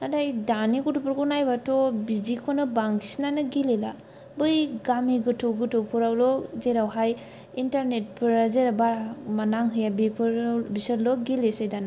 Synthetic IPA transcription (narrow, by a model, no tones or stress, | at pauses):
nadajdanikutupɯɾkunajbatɔbizikʰonɯbaŋsinanɯɡilela | bɯjɡamiɡɯtʰɯwɡɯtʰɯwpʰuɾawlɔzeɾawɦaj | intaɾnet̚pʰɯɾazeɾabaɾamanaŋɦɯjabipʰɯɾbisəɾlɔɡilesajdana